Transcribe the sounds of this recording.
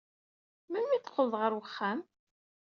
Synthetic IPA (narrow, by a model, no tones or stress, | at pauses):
mæmːiθqːəlðˤʁəɾwəχːæm